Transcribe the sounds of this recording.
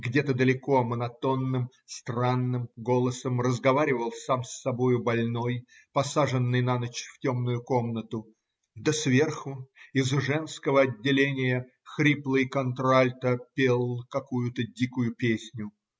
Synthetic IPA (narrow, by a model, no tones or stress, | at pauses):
ɡdʲe̞t̪əd̪əlʲɪko̞mənɐt̪o̞nːɨm | st̪ranːɨmɡo̞lˠəsəmrəzɡɐvaɾʲɪvəlˠsamsːɐbo̞jʊbɐlʲno̞j | pɐsaʐɨnːɨjnanət͡ɕftʲomnʊjʊkomnət̪ʊ | d̪ɐsvʲerxʊɪzʐɛnskəvəɐdʲːɪlʲenʲɪjə | xɾʲiplˠɨjkɐnt̪ɾalʲt̪əpʲelˠkɐkujʊt̪ədʲikʊjʊpʲesʲnʲʊ